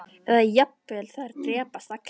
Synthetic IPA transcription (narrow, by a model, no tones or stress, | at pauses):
ɛðajapːɛlθaðɪɾt̪ɾɛːpast̪ak